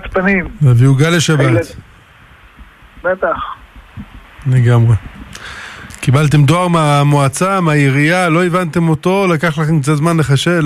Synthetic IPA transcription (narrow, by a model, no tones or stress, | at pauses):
tpanimveaviuɡaleʃabat̪ | bet̪aχ | leɡamʁe | kibalt̪̬e̞md̪oaʁmeamoat͡sameajeʁijalo̞evant̪e̞mo̞t̪o̞lakaχlaχe̞mkzezmanleχaʃe̞l